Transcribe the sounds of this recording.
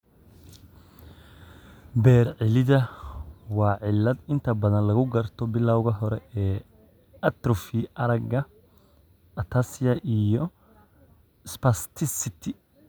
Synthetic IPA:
bɛːrʕɪlɪðɐ | wɑːʕɪlːɐd̪ɪnt̪ʰɐbɐðɐnlɐɣʊɡɐrt̪ʰɔbɪlaːwʊɣɐɦɔɾɛ̰ʔɛː | ɐt̪ɾɔfiʔɐɾɐɡɐ | ʔɐt̪ʰasɪjɐʔijɔ | spɐst̪ʰɪsɪt̪ʰɪ

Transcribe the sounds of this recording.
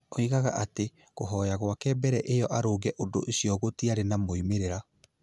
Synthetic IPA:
oiɣaɣa̰ʔate | ɣoɦɔjaɣwakɛːbɛɾɛʔejɔʔaɾoɣɛʔodoʔeɕijɔɣotiaɾenamoimeɾeɾa

